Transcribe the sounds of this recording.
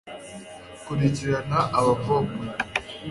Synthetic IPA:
kuɾiciɾanaʔaβavoke

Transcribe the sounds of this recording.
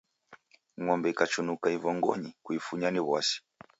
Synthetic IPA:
ŋɔmbɛikat͡ʃunukaivɔŋɡɔ̰ɲikuifuɲaniβwasi̥

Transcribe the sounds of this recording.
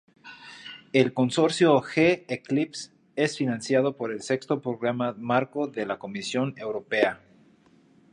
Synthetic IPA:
e̞lko̞nso̞ɾsjo̞xeːklips | e̞sfinãnsjað̞o̞po̞ɾe̞lse̞kst̪o̞pɾo̞ɣɾamamaɾko̞ðe̞lako̞misjo̞ne̞wɾope̞a

